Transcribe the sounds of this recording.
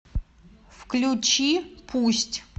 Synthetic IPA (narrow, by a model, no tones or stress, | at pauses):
fklʲut͡ɕipʰusʲtʲ